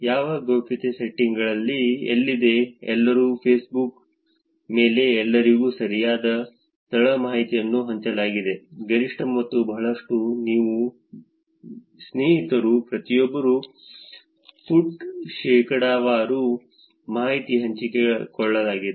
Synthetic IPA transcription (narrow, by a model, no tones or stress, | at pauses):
jaːʋɐɡoːpit̪eseʈːiŋɡɐɭɐlːiḛlːid̪e̞ɛlːɐɾuːpʰeːsbuk | me̞ːle̞ɛlːɐɾiɡuːsɐɾijaːd̪ɐ | t̪ɐɭɐmaːɦit̪ijɐnːuɦɐɲt͡ʃɐlaːɡid̪e̞ɡɐɾiʂʈɐmːɐt̪ːubɐɦɐɭɐʂʈuniːʋu | sneːɦit̪ɐɾupɾɐt̪ijɔbːɐɾu | fuɖʃɛːkʰɐɽaːʋaːɾu | maːɦit̪iɦɐɲt͡ʃikekɔɭːɐlaːɡid̪e